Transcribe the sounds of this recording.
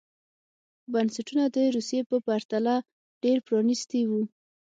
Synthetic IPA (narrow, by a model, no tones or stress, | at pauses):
bansaʈunad̪əɾusijepəpaɾt̪ala | ɖ̥eɾpɾɑnist̪iwu